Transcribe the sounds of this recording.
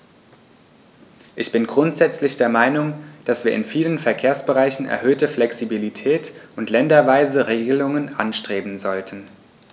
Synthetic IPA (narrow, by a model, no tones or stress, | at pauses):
ʔɪçb̥ɪnɡʁʊntz̥ɛt͡slɪçd̥eːɐmaɪnʊŋd̥asv̥iːɐɪnfiːlənfɛɐkʰeːɐsb̥əʁaɪçn̩ɛ̰ɐɦøːtəflɛksibilitʰɛːtʊntlɛndɐvaɪzəʁeːɡəlʊŋənʔa̰nʃtʁ̥eːbm̩zɔltʰən̩